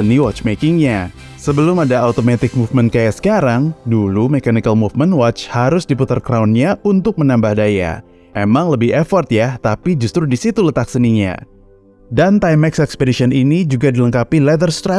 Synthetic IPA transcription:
əniwɔt͡ʃmekɪŋɲa | səbəlʊmadaaut̪omat̪ɪk̚mufmənt̪̚kajaʔsə̥kaɾaŋdulumekanikalmufmənwɔt͡ʃhaɾʊsdiput̪ərkɾawnɲaunt̪ʊk̚mənambahdaja̰ | ʔemaŋləbɪhefɔrt̪jat̪apid͡ʒust̪ɾudisit̪ulət̪ak̚səniɲa̰ | dant̪ajmɛksɛkspedisiɔninid͡ʒuɡadiləŋkapilɛd̪ərst̪ɾɛ

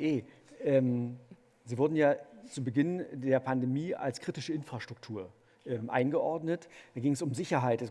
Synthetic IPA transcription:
ʔeː | ʔɛːm | ziːvʊɐdn̩jaːt͡subəɡɪndeːɐpʰandemiːa̰lskʁ̥iːtɪʃəɪnfʁ̥aʃtʁ̥ʊk̚tʰuːɐ | ʔɛːmʔa̰ɪnɡəʔɔɐdnətd̥aːɡɪŋəsʊmzɪçɐɦaɪtɛs

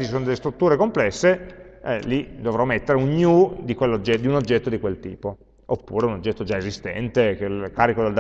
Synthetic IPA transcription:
it͡ʃisoːnod̪elːest̪ɾut̪ːuːɾekomplɛsːeɛlid̪ovɾɔmet̪ːeɾeunɲud̪ikwelːod͡ʒːɛd̪iunod͡ʒːɛt̪ːod̪ikwelt̪ḭːpo | opːṵːɾeunod͡ʒːɛt̪ːod͡ʒaezist̪ɛ̰nt̪ekelkaːɾikod̪eld̪

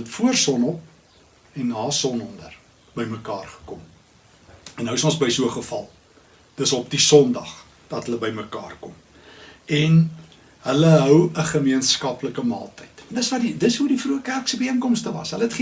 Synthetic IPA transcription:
tfuərsɔnɔp̚ | ɛnːɑːsɔnɔndər | bəjməkɑːrχə̥kɔm | ɛnɦəwəsɔ̃nsbəjsuəχəfɐlˠ | d̥əsɔp̚disɔndɐχ | d̥ɐtɦələbəjməkɑːrkɔm | ɛn | ɦələɦœwəχəmiənskɐpləkəmɑ̰ːlˠtəjtndəsvɐdidəsɦudifruəkærksəbəiənkɔmstəvɐ̰sɦələətχ

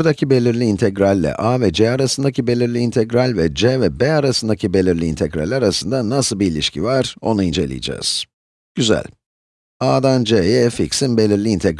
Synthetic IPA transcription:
ɾd̪acʰibelʲiɾlʲiːnt̪ʰɛɡɾalʲːɛ̰ʔavɛd͡ʒɛaɾasɯnd̪acʰibe̞lʲiɾlʲiːnt̪ʰɛɡɾalʲvɛd͡ʒɛvɛbɛaɾasɯnd̪acʰibe̞lʲiɾlʲiːnt̪ʰɛɡɾa̰lʲːɛaɾasɯnd̪anːasɯlˠbiːlʲiʃcʰḭvaɾ̥o̞naind͡ʒe̞̰lʲḭj̰d͡ʒa̰ːz̥ | ɟ̥yzæ̰lʲ | aːd̪and͡ʒejɛfiksinbe̞lʲiɾlʲiːnt̪ʰɛɡ

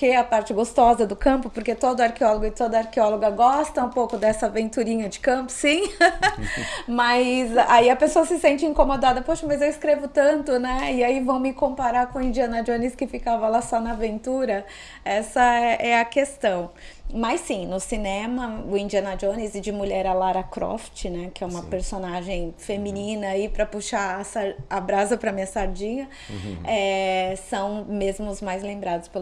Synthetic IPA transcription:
keɐpaɾt͡ʃɪɡost̪ɔzɐd̪ʊkɐ̃mpʊpoɾket̪od̪ʊaɾkeɔloɡʊɪt̪od̪ɐaɾkeɔloɡɐɡɔst̪ɐ̃ũpowkʊd̪ɛsɐavẽnt̪uɾĩɲɐd͡ʒɪkɐ̃pʊ̥sĩ | mɐzaiɐpesoɐsɪsẽnt͡ʃɪĩŋkomod̪ad̪ɐpoʃɐmɐzewɪskɾevʊt̪ɐ̃nt̪ʊnɛɪaivɐ̃w̃mɪkõpaɾaɾkõɐĩnd͡ʒiɐ̃nɐd͡ʒõnɪskɪfikavɐlasɔnɐvẽnt̪uɾɐ | ɛsɐɛʔɛɐkest̪ɐ̃w̃ | mɐsːĩnʊsinẽmɐʊĩnd͡ʒiɐ̃nɐd͡ʒonɪzɪd͡ʒɪmuʎɛɾɐlaɾɐkɾɔ̰ft͡ʃɪnɛkɪɛũmɐpeɾsonaʒẽj̃femĩnĩnɐaipɾɐpuʃaːsaɾabɾasɐpɾɐmĩɲɐsaɾd͡ʒĩɲɐ | ɛsɐ̃w̃mezmʊʊzmajzlẽmbɾad̪ʊspel

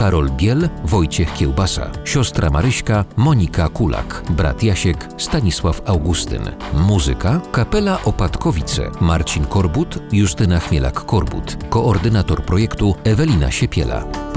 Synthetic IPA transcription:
kaɾɔlbʲjɛlvɔjt͡ɕɛxkʲɛwbasa̰ɕɔst̪ɾʔa̰maɾɘɕkamɔɲikakula̰kbɾa̰t̪jaɕɛk | st̪aɲiswafawɡust̪ɘ̰nmuzɨ̰kakapɛlaʔɔpat̪kɔvʲit̪sɛ̰maɾt͡ɕinkɔɾbut̪juʂt̪ɘnaxmʲɛlʔa̰kːɔɾbṵt̪kɔʔːɾd̪ɘnat̪ɔɾpɾɔjɛkt̪uɛvɛlʲina̰ɕɛpʲjɛ̰la̰

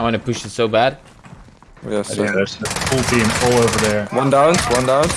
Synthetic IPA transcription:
wɑ̃nɨpʊʃɨtsoʊbæd̥̚ | jɛsəsəfulˠtʰĩmɔlˠoʊvə˞ðə˞wʌ̃ndãʊ̃nzwʌ̃ndãʊ̃n

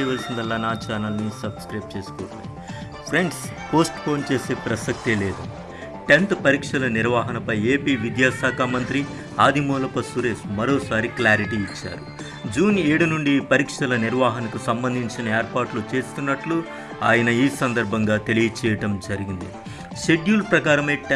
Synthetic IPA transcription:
jʋɐlsind̪ɐlːaːnaːt͡ʃaːnɐlnisɐbskɾɐjp̚t͡ʃe̞ːsu̥kɔːt̪a̰ːi | pʰɾe̞ɳɖs | po̞ːsʈpʰo̞ːnt͡ʃe̞ːse̞ːpɾɐsɐk̚t̪ileːd̪u | ʈe̞nt̪pɐɾiːkʂɐlɐniɾʋaːɦɐnɐpɐjeːpiːʋid̪jaːsaːkʰaːmɐnt̪ɾi | aːd̪ʱimɔːlɐpɐsuɾe̞ːʃmɐɾo̞ːsaːɾiklaːɾiʈiːt͡ʃːa̰ːɾu | d͡ʒuːneːɽunuɳɖipɐɾiːkʂɐlɐniɾʋaːɦɐnɐkusɐmbɐnd̪ʱiɲt͡ʃinɐeːɾpaːɾʈlut͡ʃe̞ːst̪unːɐʈlu | aːjɐnɐiːsɐnd̪ɐɾbʱɐŋɡaːt̪e̞lijɐt͡ʃɛːjɐʈɐmd͡ʒɐɾiɡind̪ḭ | ʃe̞ɖjuːlpɾɐkaːɾɐmeːʈ

